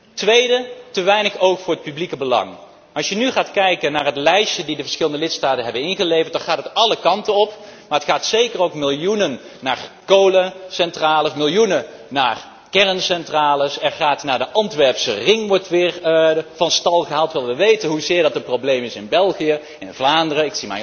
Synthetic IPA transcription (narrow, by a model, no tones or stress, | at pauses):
tʋejdətəʋɛjnəχowkfʊːɹət̚pyblikəbəlɑ̰ŋ | ʔɑsjənyχaːtkɛjkənaːɹɦətlɛjʃədidəvəɹsχɪləndəlɪtstaːtənɦɛbənɪnχəlejvəɹtd̥ɑnχaːtətɑləkɑntənɔpmaːɹɦətχaːtsejkərowkmɪlˠjunənː | aːrkowləsɛntraːləsmɪlˠjunə | naːr | kɛrənsɛntraːləsɛɹχaːtnaːɹdəʔɑntʋɛɹpsə̰rɪŋʋɔɹtʋɪːɹvɑnstɑlˠχəɦaːlˠtʋɪlˠʋəʋejtənɦuzɪːɹdɑtəprowblejmɪsɪnbɛlˠχijə | ɪnvlaːndərəɪksima̰j